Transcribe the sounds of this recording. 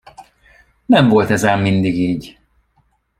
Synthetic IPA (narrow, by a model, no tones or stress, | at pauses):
nɛɱvo̞lt̪ɛzaːmːind̪iɡiːɟ